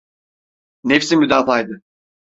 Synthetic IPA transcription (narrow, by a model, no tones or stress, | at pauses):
nefsinmyd̪aːfajd̪ɯ